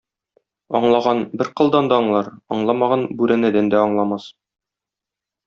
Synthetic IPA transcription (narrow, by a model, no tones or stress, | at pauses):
ɒ̰ɴlˠɑʁɑnbɘɾqɤ̆lˠd̪ɑnd̪ɑːɴlˠɑɾɒ̰ɴlˠɑmɑʁɑnbʉɾɘ̆nɘd̪ænd̪æɒɴlˠɑmɑs